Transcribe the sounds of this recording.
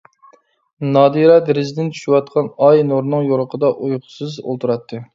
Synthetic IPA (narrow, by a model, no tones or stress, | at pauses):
nɑːd̪iɾɛd̪eɾɪzd̪ɪnt͡ʃ̪ʰy̥ʃywɑt̪̚qʰɑnɑjnoɾnɨŋjoɾəqʰəd̪ɑʔujqʰʊ̥sɨzo̰lˠt̪ʰuɾɑt̪ʰːɨ